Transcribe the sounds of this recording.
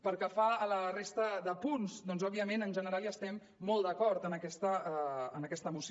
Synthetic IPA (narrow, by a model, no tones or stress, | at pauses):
pəɾkəfaːlərest̪əðəpunzd̪ɔnzɔbiəmenənʒənəɾaliəst̪ɛmːɔlˠd̪əkɔɾt̪ənəkɛst̪əːnəkɛst̪əːmus